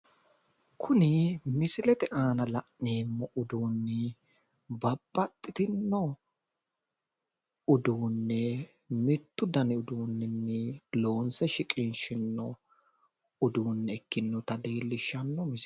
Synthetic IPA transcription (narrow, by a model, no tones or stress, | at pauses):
kʰʊnɪmɪsɪlɛt̪ɛʔaːnɐlɐʔneːmːɔʔʊd̪uːnːɪ | bɐbːɐt̪ʼːɪt̪ɪnːɔ | ʊd̪uːnːɛ | mɪt̪ːʊd̪ɐnɪʊd̪uːnːɪnːɛlo̞ːnsɛʃɪkʼɪnʃɪnːɔ | ʊd̪uːnːɛɛkːɪnːɔt̪ɐd̪e̞ːlːɪʃːɐnːɔmɪs